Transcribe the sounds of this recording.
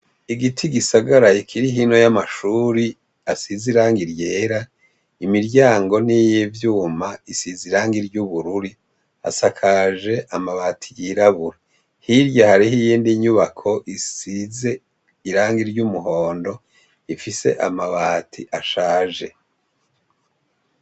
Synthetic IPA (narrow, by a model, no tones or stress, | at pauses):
iɡitʰiɡisaɡaɾaikʰiɾiɦino̞jamaʃuːɾi | asiziɾaːŋɡiɾjeːɾa | imiɾɟaːŋɡo̞nijevjuːmaisiziɾaːŋɡiɾɟuβuɾuɾi | a̰sakʰaʒe̞ʔamaβaːtʰijiɾaβuɾa | hiɾjahaɾiɦijiːndiɲuβakʰo̞ʔisize̞ | iɾaːŋɡiɾɟumuɦo̞ːndo̞ | ifise̞̰ʔa̰maβaːtʰiʔaʃaːʒe̞